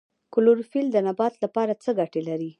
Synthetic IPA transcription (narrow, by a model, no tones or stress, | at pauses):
kʊloɾfild̪ənabɑt̪lapɑɾat͡səɡaʈelaɾi